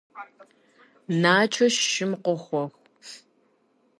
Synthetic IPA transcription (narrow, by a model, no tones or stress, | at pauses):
naːt͡ʃʰɐʃːɪmqʷəxʷɔxʷ